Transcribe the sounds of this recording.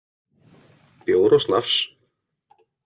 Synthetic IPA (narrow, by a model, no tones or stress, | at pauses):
pjoːwɾɔsla̰fs